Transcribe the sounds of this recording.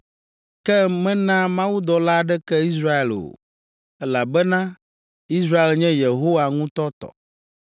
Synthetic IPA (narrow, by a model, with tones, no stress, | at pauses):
kɛ˦mɛ̃˦nã˦mã˦wu˦d̪ɔ˨la˦ɖɛ˦kɛ˦i˦s̬ɾa˦e˨lo̰˨ | ɛ˦la˨bɛ˦nã˦ | i˦s̬ɾa˦e˨lɲɛ̃˦je˨ɦo˦wa˨ŋũ˦t̪ɔ˦t̪ɔ̰˨